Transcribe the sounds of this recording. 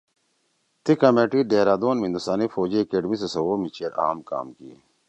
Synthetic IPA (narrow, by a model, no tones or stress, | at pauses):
t̪ikɐmeːʈiɖeːɾaːd̪oːnmĩnd̪usaːnifoːd͡ʑiɐkeːɖmisesɐwoːmit͡ɕʰeːɾa̰ːmka̰ːmkiḛ